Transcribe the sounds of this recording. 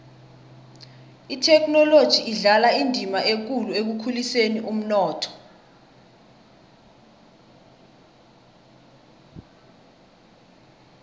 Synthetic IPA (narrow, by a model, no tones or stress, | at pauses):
itʰɛkʰnɔlod̥ʒ̥ʱiːɮalaindʱimaek̬uluek̬ukʰuliseniʔum̩nɔːtʰɔ̥